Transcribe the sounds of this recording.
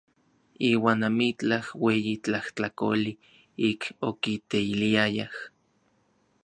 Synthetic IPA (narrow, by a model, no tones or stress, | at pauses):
iːwaːnamit͡ɬahweːjit͡ɬaht͡ɬako̰li | ikʰokit̪eiliajah